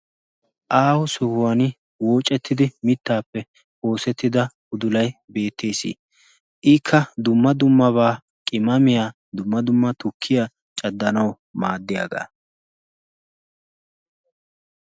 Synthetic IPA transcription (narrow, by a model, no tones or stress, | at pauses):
ʔaːwʊsɔhʊwɐnɪ | wo̞ːt͡ʃʼɛt̪ːɪd̪ɪmɪt̪ːaːpːɛ | ho̞ːsɛt̪ːɪd̪ɐ | ʊd̪ʊlɐjbe̞ːt̪ʰːeːsḭː | ʔɪkʰːɐd̪ʊmːɐd̪ʊmːɐβaː | kʼɪmɐmɪjaː | d̪ʊmːɐd̪ʊmːɐt̪ʊkʰːɪja | t͡ʃʼɐd̪ːɐnɐw | maːd̪ːɪja̰ːɡa̰ː